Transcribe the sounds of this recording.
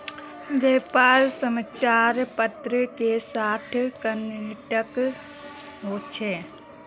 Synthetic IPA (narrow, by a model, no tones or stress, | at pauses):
ʋeːpaːɾsəmət͡ʃaːɾpət̪ɾəkesaːʈʰkənʈək | ɦoːt͡ʃʰeː